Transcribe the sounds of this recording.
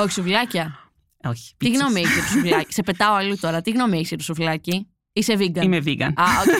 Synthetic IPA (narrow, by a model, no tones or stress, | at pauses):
oçi̥suflɐcɐ | oçi̥t̪iɣno̞meiseɾusuflɐci̥sepe̞t̪ɐoɐlut̪o̞ɾɐt̪iɣno̞meisiɾusuflɐci | iseviɡɐimeviɡɐ̰nɐo